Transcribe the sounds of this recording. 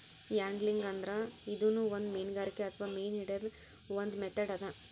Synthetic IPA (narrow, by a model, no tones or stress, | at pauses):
jaːŋɡliŋɡɐnd̪ɾɐid̪uːnuːʋond̪meːnɡaːɾikːeɐt̪ʰʋaːmeːniɖɐɾ | ʋond̪meʈ̪ːɐɖɐd̪ɐ